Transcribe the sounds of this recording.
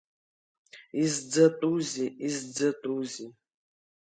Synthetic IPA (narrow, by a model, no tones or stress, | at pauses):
izd͡zat̪ʼuziizd͡zɐt̪ʼuzi